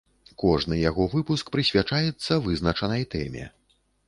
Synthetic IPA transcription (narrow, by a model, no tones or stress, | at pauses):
kɔʐnɨjaɣɔvɨpuskpɾɨsʲvʲat͡ʂajɛt̪sːɐvɨzn̪ɐt͡ʂɐnɐjt̪ɛ̰mʲɛ̰